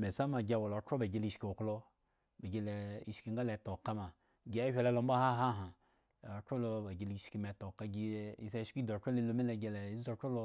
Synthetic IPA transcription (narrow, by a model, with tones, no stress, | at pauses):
me˨sa˦ma˨ɡʲa˧˨wo˨lo˨˦ko˦be˨ɡe˦li˧ʃki˨o˨klo˦˧ | be˨ɡe˧le˨i˨ʃki˧ŋɡa˦le˨˦to˨ka˦ma˨ | ɡi˦a˦hʲe˨le˦lo˨˦m˦ba˦ha˦ɦa˦˨ɦa˨ | ko˦lo˧ba˨ɡʲe˨˦li˦i˦ʃki˧me˨to˨ka˦ɡi˦i˨sa˦ʃki˦do˨ko˦e˦˧lo˧me˦le˨ɡe˧le˨i˦zi˦o˧ko˦lo˧